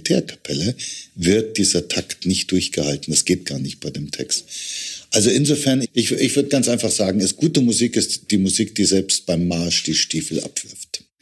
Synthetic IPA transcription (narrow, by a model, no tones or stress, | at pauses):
tʰɛːɐkʰḁpʰɛləvɪɐt̚d̥iːzɐtʰaktnɪçt̚d̥ʊɐçɡ̥əhaltn̩d̥asɡ̥eːt̚ɡ̥aːɐnɪçt̚b̥aɪdeːmtʰɛ̰kstʔalzoɪnzofɛɐnʔɪçɪçv̥ʏɐdəɡ̥ant͡sʔaɪnfaχz̥aːɡŋ̩ɛsɡ̥uːtəmuziːkɪstd̥iːmuziːk̚d̥iːzɛlpst̚b̥aɪmːaɐʃd̥iːʃtiːfl̩ʔa̰pv̥ɪɐft